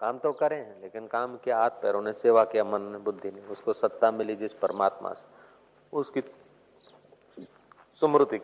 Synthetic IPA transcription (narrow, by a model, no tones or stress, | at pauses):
kaːmt̪okɐɾẽɦɛ̃leːkɪnkaːmkeaːt̪̚ʰpeɾonẽseːʋakeɐmənebʊd̪ʱːinẽʊskosɐt̪ːamɪlid͡ʒɪspəɾəmaːt̪mã̰se̥ | ʊski | sʊmɾʊt̪i